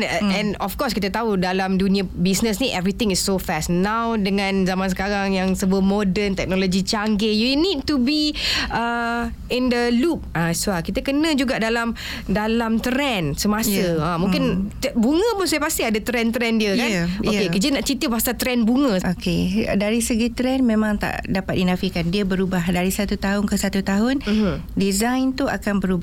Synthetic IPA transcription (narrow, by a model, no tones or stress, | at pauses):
ɛ̃nɔfkɔskit̪ət̪audalamdunĩabisnəs̬niʔɛvɾit̪ɪ̃ŋisːofɛsnãwdəŋãnzamãnsəkaɾaŋjaŋsəbuəmodənt̪ɛk̚nolod͡ʒit͡ʃaŋɡɪjunid̚tubiə | ɪndəlup̚ãsuakit̪əkənə̃d͡ʒuɡaʔdalam | dalamt̪əɾɛnsəmasəãmũŋkɪnbuŋə̃pʊnsajəpast̪ɪadət̪ɾɛnt̪ɾɛndiəkanokekəd͡ʒiənaʔt͡ʃit̪ipasat̪ɾɛnbuŋə̃okedaɾisəɡit̪ɾɛnmẽmãŋt̪a̰ʔdapat̪̚dinafikandiəbəɾubahdaɾisat̪ut̪aɦʊŋkəsat̪ut̪aɦʊndizajnt̪ua̰kanbəɾuba